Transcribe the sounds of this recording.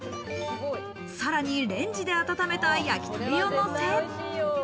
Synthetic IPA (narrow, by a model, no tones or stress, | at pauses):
saɾaɲ̟iɾẽ̞ɲ̟d͡ʑid̪e̞at̪at̪ame̞t̪aːijakʲi̥t̪ɨɾijonos